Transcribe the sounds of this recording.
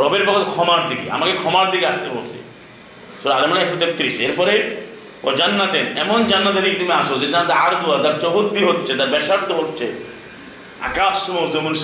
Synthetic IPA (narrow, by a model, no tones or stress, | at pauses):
ɾɔbeɾpɔkʰɔt̪ekʰɔmaɾd̪ikḭa̰makekʰɔmaɾd̪ikiast̪epo̰sḭ | soɾalemaneɛksɔt̪et̪ːɾiseɾpɔɾe | pɔd͡ʒanːat̪enɛmɔnd͡ʒanːat̪ed̪ikit̪imeasod͡ʒet̪ant̪aaɾd̪uad̪aɾt͡ʃɔɦod̪ːiɦot̪ːt͡ʃʰed̪aɾbɛʃaɾt̪ɔɦot̪ːt͡ʃʰe | a̰kasmɔɾzomuns